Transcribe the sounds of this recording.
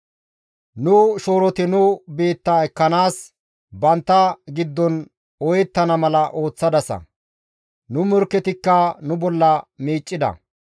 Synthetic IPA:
nʊʃo̞ːɾɔt̪ɪnʊbe̞ːt̪ːaɛkːɐnaːs | bɐnt̪ːɐɡɪd̪ːɔn | ɔjɛt̪ːɐnɐmɐlɐʔo̞ːt͡sːɐd̪ɐsɐ̰ | nʊmɔɾkːɛt̪ɪkːɐnʊbɔlːɐmiːt͡ʃʼːɪd̪ɐ̰

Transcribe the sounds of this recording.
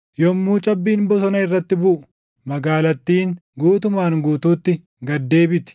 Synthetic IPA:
jɔmːuːt͡ʃʼɐbːiːmbɔsɔnɐɪrːɐt̪ːɪbʊʔʊ̥ | mɐɡaːlɐt̪ːiːŋɡuːt̪ʊmaːŋɡuːt̪uːt̪ːɪ | ɡɐd̪ːe̞ːbɪt̪ɪ̥

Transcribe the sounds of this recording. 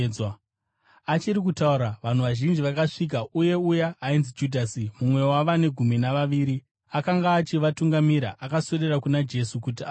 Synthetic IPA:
at͡ʃiɾik̬utauɾaʋan̤uʋaʒind͡ʒiʋakaʂik̬auje̞ujaːinzid͡ʒudʱasimumwe̞waʋane̞ɡʱuminaʋaʋiːɾi | akaŋɡaːt͡ʃiʋatuŋɡamiɾa̰ʔakasererakunad͡ʒe̞sukut̬ia

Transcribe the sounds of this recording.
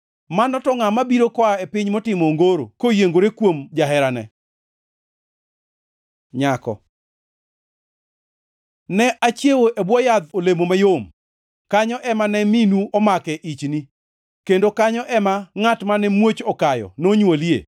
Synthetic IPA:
manɔtɔŋamabiɾokɔaepɪɲmotɪmoŋɡoɾo̰kojeŋɡoɾekwomd͡ʒaɦɛɾanɛ̰ | ɲakɔ̰ | nɛʔat͡ʃjewoʔebwɔjad̪olemomajom | kaɲɔʔɛmanɛminuɔmakɛʔit͡ʃni | kendokaɲɔʔɛmaŋatmanɛmwot͡ʃɔkajɔ̰noɲwoliḛ

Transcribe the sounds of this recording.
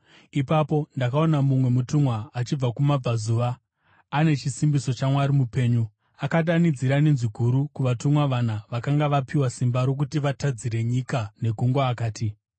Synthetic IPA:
ipapo̞ndakao̞namumwe̞mutumwaːt͡ʃib͡vakumab͡vazuʋaː | ne̞t͡ʃisimbiso̞t͡ʃamwaɾimupe̞ːɲu | akaɗanid͡ziɾanenziɡʱuɾukuʋatumwaʋanaʋakaŋɡaʋapiwasimbaɾo̞k̬utiʋatad͡ziɾe̞ɲikane̞ɡʱuŋɡwaːkaːti

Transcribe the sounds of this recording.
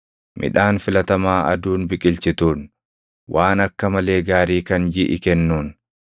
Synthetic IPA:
mʔɪ̰ᶑaːnfɪlɐt̪ɐmaːɐ̰d̪uːnbɪkʼɪlt͡ʃɪt̪uːn | wʔaːnɐkːɐmɐle̞ːɡaːɾiːkɐnd͡ʒɪʔɪ̰kɛnːuːn

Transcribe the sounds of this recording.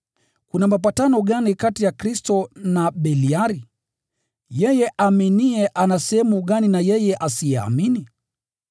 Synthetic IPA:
kunamap̬atanɔɠanikatijakɾistɔnaɓɛliaɾi | jɛjɛʔaminiɛʔanasɛhɛmuɠaninajɛjɛʔasijɛa̰mini

